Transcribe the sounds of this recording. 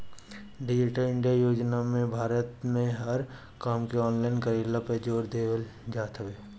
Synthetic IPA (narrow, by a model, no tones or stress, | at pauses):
ɖɪd͡ʒɪʈəɾɪ̃ɳɖijajoːd͡ʒnamẽbʱaːɾət̪mẽɦɐɾ | kaːmkeɔːnlaːɪnkəɾiːlaped͡ʒoːɾd̪eːʋəld͡ʒaːt̪ɦəʋeː